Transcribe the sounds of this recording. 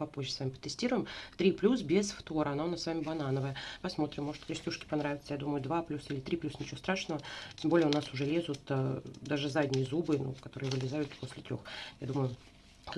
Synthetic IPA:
pɐpo̞ʑʲːəsvamʲɪpə̥t̪ːɨsʲtʲiɾʊjɪmt̪ɾʲiplʲus̬bʲesft̪o̞ɾəɐnaʊnasvamʲɪbɐnanəvəjəpɐsmo̞t̪ɾʲɪmːo̞ʐɨt̪kɾʲɪsʲtʲuʂkʲɪ̥pɐnɾavʲɪt̪səjad̪uməjʊd̪vaplʲusilʲɪt̪ɾʲiplʲusnʲɪt͡ɕɪvost̪ɾaʂnəvətʲembo̞lʲjəʊnasʊʐɛlʲe̞zʊt̪ad̪aʐɨzadʲnʲɪjəzubɨnṵkɐt̪o̞ɾɨjəvɨlʲɪzajʊt̪po̞sʲlʲɪt̪ɾʲo̞̰xjad̪uməjʊ | k

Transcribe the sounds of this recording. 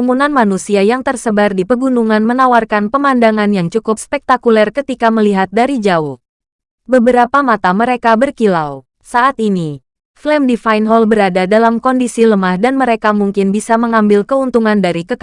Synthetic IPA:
munanmanusiajaŋt̪ərsəbardipəɡunuŋanmənawarkanpəmandaŋanjaŋt͡ʃukʊp̚spɛk̚t̪akulɛrkət̪ikaməliɦat̪̚daɾid͡ʒaʊh | bəbəɾapamat̪aməɾekabərkilaw | saʔat̪ini | flɛmdifajnɦɔlbəɾadadalamkɔndisiləmahdanməɾekamuŋkɪnbisaməŋambɪlkəunt̪uŋandaɾikək

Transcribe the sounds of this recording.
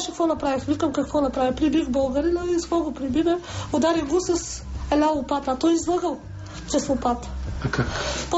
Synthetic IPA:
ʃɛkvɔnɐpɾavixvikɐmkɐkvɔnɐpɾavixpɾibixbɐlˠɡɐɾinɐiskɔɡopɾibid̪ɛod̪aɾiɡosɐs | ɛlʲalˠupat̪at̪ɔjizlˠaɡəlˠ | t͡ʃ̪ɛslˠopat̪akakp

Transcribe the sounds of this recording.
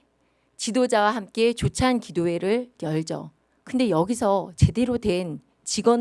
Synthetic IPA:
t͡ɕidod͡ʑawaɦamk͈e̞t͡ɕot͡ɕʰankidoe̞ɾɯɭjʌɭd͡ʑʌ̰ | kɯnde̞jʌɡisʰʌt͡ɕe̞de̞ɾodwe̞n | t͡ɕiɡʌ

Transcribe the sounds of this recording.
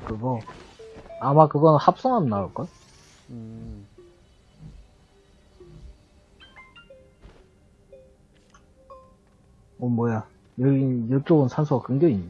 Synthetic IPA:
kɯɡʌ | amakɯɡʌnɯnhap̚s͈ʌŋɦamnauɭk͈ajo | ʌmwʌja | jʌɡinjʌɭt͡ɕ͈oɡɯnsʰansʰuɡakɯŋɡeiɲ

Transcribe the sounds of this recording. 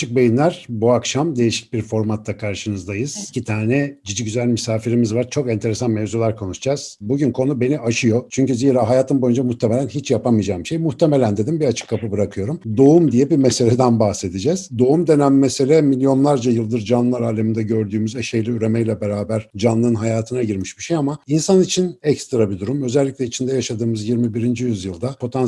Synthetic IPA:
t͡ʃʰɯk̚bejinlʲæɾ̥buakʃamd̪e̞jiʃi̥c̚biɾfo̞ɾmat̪ʰːakʰaɾʃɯnɯzd̪ajɯz̥icit̪ʰaːnɛd͡ʒid͡ʒicyzælʲmysaːfiɾimizvaɾt͡ʃʰo̞kɛnt̪ʰeɾesanmevzulˠaɾkʰo̞nuʃd͡ʒaz̥buɟynkʰo̞nube̞niaʃɯjo̞t͡ʃʰyɲcyziːɾaːɦajaːt̪ʰɯmbo̞jynd͡ʒamuht̪ʰemelʲænɦit͡ʃjapamɯijd͡ʒaːmbiʃejmuht̪ʰe̞me̞lʲænd̪e̞d̪imbiat͡ʃʰɯ̥kʰːapɯbɯɾakʰɯjo̞ɾumd̪o̞umd̪ijɛbimese̞lʲed̪ænbahse̞d̪id͡ʒɛz̥d̪o̞umd̪e̞næmːese̞lʲɛmilʲjo̞nlˠaɾd͡ʒajɯlˠd̪ɯɾd͡ʒanlˠaɾaːlʲemind̪ɛɟø̞ɾd̪yːmyzɛʃejlʲiyɾemɛjlʲɛbe̞ɾaːbæɾ̥d͡ʒanlˠɯɯnɦajaːt̪ʰɯnaɟiɾmiʃbiʃejamainsanit͡ʃʰinɛcst̪ɾabid̪uɾumø̞zɛlʲːiclʲɛit͡ʃʰind̪ɛjaʃad̪ɯːmɯzjiɾmibiɾind͡ʒijyzjɯlˠd̪apʰo̞t̪ʰan

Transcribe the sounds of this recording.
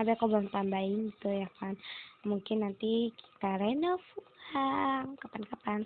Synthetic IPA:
abɛkɔbamt̪ambaint̪ujakanmuŋkɪnːant̪iki̥t̪aɾɛnɔfuaŋkapankapan

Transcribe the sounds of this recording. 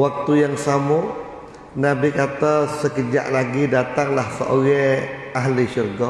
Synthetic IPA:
wak̚t̪ujaŋsamɔ | nabikat̪asəkəd͡ʒa̰ʔlaɡidat̪aŋlahsə̰ʔoɡɛaɦliʃurɡɔ

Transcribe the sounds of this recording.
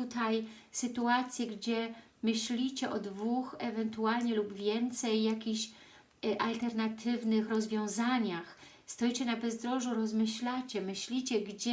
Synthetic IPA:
ut̪ajsɘt̪uat̪sʲjɛɡd͡ʑɛ | mɘɕlʲit͡ɕɛʔɔd̪vuxɛvɛnt̪ualɲɛlubvʲjɛnt̪sɛjːakʲiɕ | ʔalt̪ɛɾnat̪ʰɘvnɘxɾɔzvʲjɔ̃w̃zaɲax | st̪ɔjt͡ɕɛnabɛzd̪ɾɔʐuɾɔzmɘɕlat͡ɕɛmɘɕlʲit͡ɕɛɡd͡ʑɛ

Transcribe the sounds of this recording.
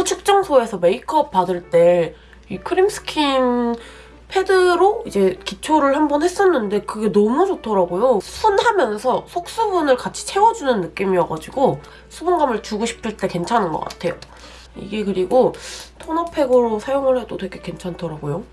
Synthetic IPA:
ot͡ɕʰɯk̚t͡ɕ͈ʌŋsʰoe̞sʰʌme̞ikʰʌp̚p͈adɯɭt͈e̞ | ikʰɯɾimsɯ̥kʰin | pʰe̞dɯɾoid͡ʑe̞kit͡ɕʰoɾɯɭhambʌnhe̞s͈ʌnːɯnde̞kɯɡe̞nʌmud͡ʑotʰʌɾaɡojosʰunhamjʌnsʰʌsʰok̚s͈ubunɯɭkat͡ɕʰi̥t͡ɕʰe̞wʌd͡ʑunɯnːɯk͈imiʌɡad͡ʑiɡo | sʰubɯnɡamɯɭt͡ɕuɡoɕʰi̥pʰɯɭt͈e̞ke̞nt͡ɕʰanɯnɡʌ̰k͈a̰tʰe̞jo̰ | ḭɡe̞kɯɾiɡotʰonʌpʰe̞ɡɯɾosʰajoŋɯɭhe̞dotwe̞ɡe̞ke̞nt͡ɕʰantʰʌɾaɡojo

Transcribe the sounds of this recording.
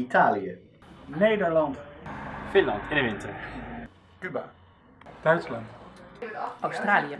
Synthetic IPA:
itaːlijə | nejdəɹlɑntfɪnlɑntɪndəʋɪntəɹ | kyba̰ | d̥œɥtslɑnt | ʔawstraːliə

